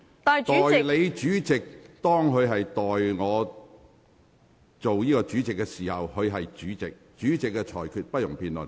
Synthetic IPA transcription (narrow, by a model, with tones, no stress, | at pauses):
t̪ːt̪ɔː˨˥˨jle˨˧jt͡ʃyː˨˥t͡sɪ˨k̚t̪ɔː˥ŋhɵ˨˧ɥɦɐ˨jt̪ɔː˨jŋɔː˨˧ | t͡so˨wjiː˥kɔː˧t͡ʃyː˨˥t͡sɪ˨kːɛ˧siː˨˩hɐ˨whɵ˨˧ɥɦɐ˨jt͡ʃyː˨˥t͡sɪ˨k̚t͡ʃyː˨˥t͡sɪ˨kːɛ˧t͡ʃʰɔː˨˩jkʰyː˨t̚pɐ˥t̚jʊ˨˩ŋpiː˧nlʊ̰˨˩n